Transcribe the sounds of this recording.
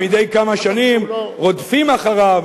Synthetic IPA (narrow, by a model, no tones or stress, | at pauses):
id̪e̞jkamaʃanimʁod̪fimaχaʁav